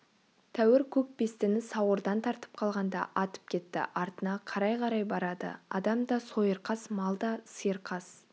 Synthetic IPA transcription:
t̪ʰæwɪɾkʲʰɵk̚best̪ɪnɪsɑwəɾd̪ɑnt̪ʰɑɾt̪ə̥p̚qʰɑlˠʁɑnd̪ɑ̰ʔɑt̪ə̥p̚kʲʰe̞t̪ːɪ̰ʔɑɾt̪ənɑqʰɑɾɑjqʰɑɾɑjbɑɾɑd̪ə̰ɑ̰d̪ɑmd̪ɑso̞jəɾqɑsmɑlˠd̪ɑsɨjəɾqʰɑs

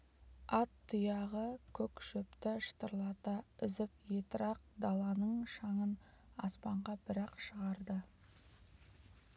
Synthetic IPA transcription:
ɑt̪ʰːʊjɑʁəkʲʰɵkʃɵpt̪ɪʃə̥t̪əɾlˠɑt̪ɑʏzɪpjet̪ɪɾɑq̚d̪ɑlˠɑnəɴʃɑɴən | ɑ̰spɑɴʁɑbɪɾɑqʃəʁɑɾd̪ə

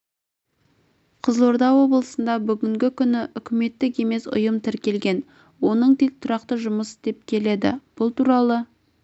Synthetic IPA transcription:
qʰəzlˠo̞ɾd̪ɑwo̞bəlˠəsənd̪ɑbʏɡʲɪŋɡʲɪkʲʰʏnɪʔʏkʲɪme̞t̪ːɪk̬e̞me̞sʊ̰jəmt̪ʰɪɾkʲe̞lɡʲe̞n | wo̞nəɴt̪ʰe̞k̚t̪ʰʊɾɑqt̪əʒʊməsd̪e̞p̚kʲʰe̞le̞d̪ɪ̰b̥ʊlˠt̪uɾɑlˠə

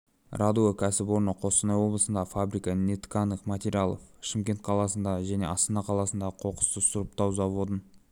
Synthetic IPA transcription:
rʔad̪uəkʲʰæsɪpwo̞ɾnəqʰo̞st̪ənɑjwo̞blˠəsənd̪ɑfabɾijkɑnʲet̪kanəqmat̪ʲeɾʲialˠo̰fʃɪmkʲe̞nt̪̚qʰɑlˠɑsənd̪ɑʒæne̞ɑst̪ənɑqʰɑlˠɑsənd̪ɑqʰo̞qə̥st̪əsʊɾəp̚t̪ɑwzɑwod̪ən

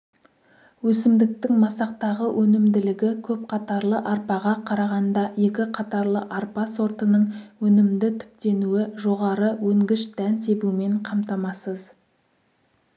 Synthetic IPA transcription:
wɵsɪmd̪ɪk̚t̪ɪŋmɑsɑq̚t̪ɑʁəwʔɵnɪmd̪ɪlɪɡʲɪkʲʰɵp̚qʰɑt̪ɑɾlˠəʔɑɾpɑʁɑqʰɑɾɑʁɑnd̪ɑje̞kʲɪqʰɑt̪ɑɾlˠəʔɑɾpɑso̞ɾt̪ənəɴwɵnɪmd̪ɪt̪ʰʏ̥p̚t̪e̞nuɪʒoʁɑɾəwɵŋɡʲɪʃd̪̥ænse̞bume̞ɴqʰɑmt̪ɑmɑsəz

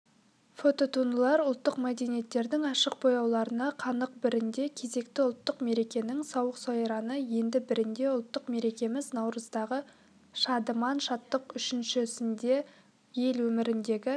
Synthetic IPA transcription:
fo̞t̪o̞t̪ʰund̪əlˠɑɾʊlˠt̪ːəqmæd̪e̞nije̞t̪ːe̞ɾd̪ɪŋɑʃəq̚bo̞jɑwlˠɑɾənɑqʰɑnəq̚bɪɾɪnd̪e̞kʲʰe̞ze̞kt̪ɪʊlˠt̪ːəqme̞ɾe̞kʲe̞nɪŋsɑwəqsɑjɾɑnəje̞nd̪ɪbɪɾɪnd̪e̞ʊlˠt̪ːəqme̞ɾe̞kʲe̞mɪznɑwɾəzd̪ɑʁə | ʃɑd̪əmɑnʃɑt̪ːəqʏʃɪnʃɪsɪnd̪e̞ | je̞lwɵmɪɾɪnd̪e̞ɡʲɪ

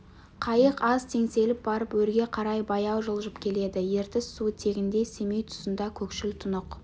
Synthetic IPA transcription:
qʰɑjəqɑz̥t̪ʰe̞ŋse̞lɪp̚bɑɾəpwɵɾɡʲe̞qʰɑɾɑjbɑjɑwʒəlˠʒəpkʲʰe̞le̞d̪ɪje̞ɾt̪ɪsːut̪ʰe̞ɡʲɪnd̪e̞se̞me̞jt̪ʰʊ̥sənd̪ɑkʲʰɵkʃɪlt̪ʰʊnʊq

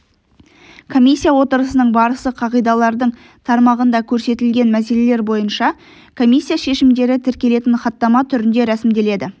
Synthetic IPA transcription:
kʰo̞mʲisʲːijawo̞t̪əɾəsənəɴbɑɾəsəqʰɑʁijd̪ɑlˠɑɾd̪əɴ | t̪ʰɑɾmɑʁənd̪ɑkʲʰɵɾse̞t̪ɪlɡʲe̞nmæs̬e̞le̞le̞ɾbo̞jənʃɑ | kʰo̞mʲisʲːijaʃe̞ʃɪmd̪e̞ɾɪt̪ʰɪɾkʲe̞le̞t̪ɪnχɑt̪ːɑmɑt̪ʰʏɾɪnd̪e̞ɾæsɪmd̪e̞le̞d̪ɪ

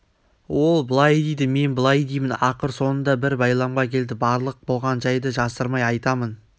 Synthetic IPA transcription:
wo̞lˠbəlˠɑjd̪ejd̪ɪme̞nbəlˠɑjd̪eijmɪnɑqəɾso̞nənd̪ɑbɪɾbɑjlˠɑmʁɑkʲʰe̞ld̪ɪbɑɾlˠəq̚bolˠʁɑnʒɑjd̪əʒɑsəɾmɑjɑjt̪ɑmən

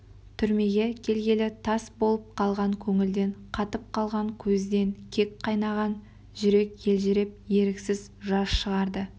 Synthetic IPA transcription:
t̪ʰʏɾme̞ɡʲe̞kʲʰe̞lɡʲe̞lɪt̪ʰɑsbo̞lˠəp̚qʰɑlˠʁɑŋkʲʰɵŋɪld̪e̞ɴqʰɑt̪əp̚qʰɑlˠʁɑŋkʲʰɵzd̪e̞ŋkʲʰe̞kqʰɑjnɑʁɑn | ʒʏɾe̞kje̞lʒɪɾɪp̚je̞ɾɪksɪz | ʒɑsʃəʁɑɾd̪ə

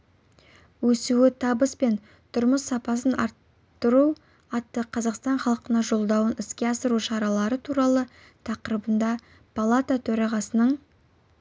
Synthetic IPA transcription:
wɵsuɪt̪ʰɑbəspe̞n | t̪ʰʊɾməsːɑpɑs̬ənʔɑ̰ɾt̪ː | əɾu | ɑt̪ːəqʰɑzɑqst̪ɑɴχɑlˠəqənɑʒo̞lˠd̪ɑwənɪskʲe̞ɑsəɾuʃɑɾɑlˠɑɾət̪ʰuɾɑlˠə | t̪ʰɑqəɾəbənd̪ɑ | pʰolˠat̪at̪ʰɵɾɑʁɑsənəɴ

